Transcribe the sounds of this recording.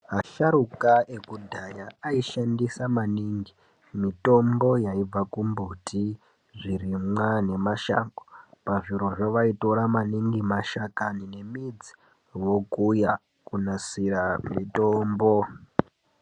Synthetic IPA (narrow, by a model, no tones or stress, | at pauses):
ɦaʃaɾukaekudʱajaːiʃandisamaniŋɡi | mito̞mbo̞jaib͡vakumbutʰi | ʐirimane̞maʃa̰ŋkopaʐiɾo̞ʐoʋaito̞ɾamaniŋɡimaʃakanine̞mid͡zi̥ | wo̞kuja | kunasiramitoːmbo̞